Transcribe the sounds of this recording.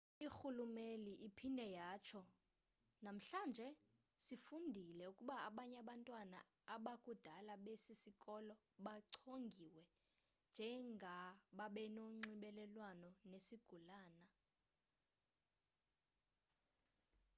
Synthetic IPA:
ixulumeliʔipʰindʱɛjaːt͡ʃʰɔ | nam̩ɬand͡ʒʱɛ | sifundʱilɛukʼuɓaaɓaɲaɓantʼwana̰ | aɓakʼud̥ʱalaɓesisikʼɔlɔ | ɓaǀʰoŋɡʱiwɛ | nd͡ʒʱɛŋɡʱaɓaɓɛnoŋ͡ǀiɓɛlɛlwanɔnesiɡ̥ʱulaːna

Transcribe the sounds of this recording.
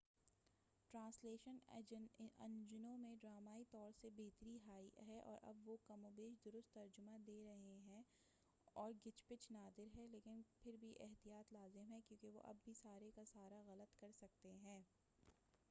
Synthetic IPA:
ʈɾãːsleːʃənnɐ̰̃nd͡ʒʊnõmẽɖɾaːmaːit̪ɔːɾsebeɦt̪ɾiɦaːiɦɛʔɔ̰ːɾʔɐ̰bʋokɐmõːbeːʃd̪ʊɾʊst̪ːɐɾd͡ʒʊmãd̪eːɾɐɦeɦɛ̃ | ɔːɾɡɪt͡ʃpɪt͡ʃʰnaːd̪ɪɾɦɛleːkɪnpʰɪɾbʱiʔɛɦt̪ijaːt̪laːzɪmɦɛ̃kjõːkeʋo̰ʔɐ̰bːʱisaːɾekasaːɾaɣɐlət̪kɐɾsɐk̚t̪eɦɛ̃ː

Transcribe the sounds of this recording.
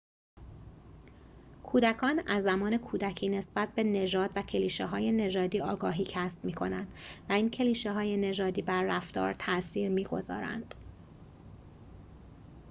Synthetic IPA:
kʰuːd̪ækʰɒːnæzːæmɒːne̞kʰuːd̪æcʰiːne̞sb̥æt̪̚be̞ne̞d͡ʒɒːd̪̥væcʰe̞liːʃeɦɒːje̞ne̞d͡ʒɒːd̪iːɒːɡɒːɦiːcʰæsb̥̚miːkʰo̞nænd̪̥væiːncʰe̞liːʃeɦɒːje̞ne̞d͡ʒɒːd̪iːbæɾːæft̪ɒ̰ːɾt̪ʰæsiːɾmiːɡo̞̰zɒ̰ːɾæ̰nd̪̥

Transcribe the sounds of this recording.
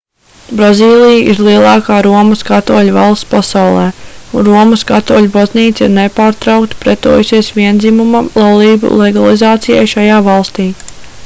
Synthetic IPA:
bɾaziːlˠijaʔiɾlˠiɛlˠɑːkaːɾuɔmɐskat̪uɔlʲva̰lˠst̪pasawlˠɛːunɾuɔmɐskat̪uːlʲubazniːt̪siɾnepaːɾt̪ɾawk̚t̪pɾɛt̪ṵːjusiɛsʋiɛnd̪zimumalˠalˠiːbṵlˠɛɡalˠizaːt̪sija̰jʃajaːvɑlˠst̪iː

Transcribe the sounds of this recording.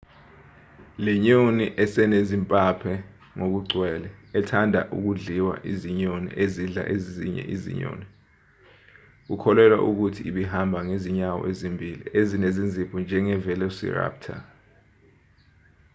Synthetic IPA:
lɛɲoniʔɛsɛnezimpʼapʰɛ | ŋok̬uɡ͡ǀʱwɛːlɛːtʰandʱa̰ʔṵk̬uɮiwa̰ʔiziɲonḭʔeziɮa̰ʔezizḭɲɛ̰ʔizḭɲo̰ːni | k̬ukʰɔlɛlwa̰ʔuk̬utʰiiɓiɦambʱaŋeziɲawɔ̰ʔezimbʱilḭʔezinezind͡zʱipʰɔnd͡ʒʱɛŋɛvɛlɛsḭra̰ːp̚tʰa̰

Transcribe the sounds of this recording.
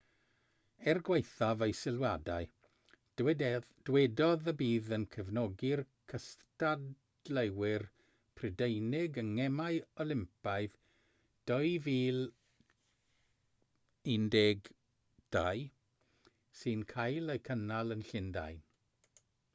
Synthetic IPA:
ɛrɡwejθavejsɪlˠwadaɨ | d̥wɛdɔðəbiːðənkʰəvnɔɡɪrkʰəstad | lewɪr | pʰrɪdejnɪɡəŋɛmajɔlˠɪmpaɨð | d̥ɔɨviːlˠ | ɪndɛɡ | d̥aj | sɨnkʰajlˠejkʰənalˠənɬɪnda̰jn

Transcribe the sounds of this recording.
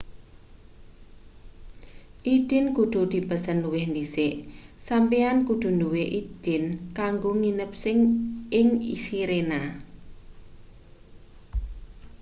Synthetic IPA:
ʔid̪̥ɪ̤nkud̪̥ṳd̪̥i̤bəsənːuwɪhndisɪʔsampiankud̪̥ṳnduwɪʔid̪̥ɪnkaŋɡoŋinəp̚sɪŋʔɪŋḭsiɾena

